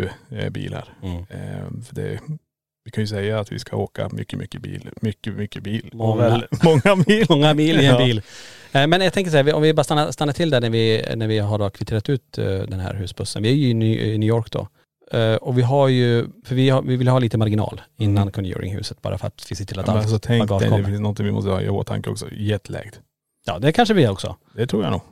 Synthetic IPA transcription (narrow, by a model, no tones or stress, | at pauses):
bḭːla̰ɾ | fœɖɛ̰ | vɪkʰanjɵsɛjːaːt̪vɪ̰skʰaoːka̰mʏ̰kːəmʏkːəbḭːlmʏkːəmʏkːəbiːlmɔŋːamɔŋːabiːmɔŋːabiːlɪɛbiːlmɛnjɑt̪ʰɛŋkəʂ̬ɛhævɪɔ̰mvɪbɑːɾast̪anːast̪anːat̪ʰɪld̪æɳæɾvɪnæɾvɪɦaɖokʰvɪt̪ʰeːɾat̪ʉ̟ːt̪d̪ɛnhɦæ̰ːɾɦʉ̟ːsbɵsːənvɪæɾjɵɪnːnʉːjɔːɾkd̪ɔ̰ | ɔvɪɦaɾjɵfœɾvɪhavɪvɪljəhɑliːt̪əmaɾɡɪnɑ̰ːlɪnːankʰʊnjʉ̰ːɾɪ̰ŋhʉ̟̰ːsət̪bɑ̰ːɾʔa̰fœɾa̰t̪vɪsɛt̪ʰɪlat̪asɔt̪ʰɛŋɔd̪ɛfɪnsnɔnt̪ɪŋvɪmɔ̰st̪əhɑ̰ːɪ̰ho̰ːt̪ʰa̰ŋkəɔ̰ksɔ̰jɛt̪ʰːəlɛ̰ːɡ̥t̪ | jɑ̰ːd̪ɛkʰanʂəvɪhɛɾɔksɔ̰ | d̪ɛt̪ʰɾuːja̰nṵːɡ